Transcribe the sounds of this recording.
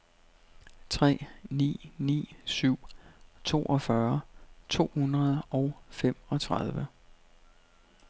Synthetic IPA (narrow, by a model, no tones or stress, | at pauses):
t͡sʰʁɛ̰ːnḭːnḭːsyʊ̰t͡sʰo̝̰ːʔɒ̽fɶɐt͡sʰo̝̰ːhunʁɐð̞ˠʔɒ̽ʊfem̰ɒ̽t͡sʰʁaðˠʋə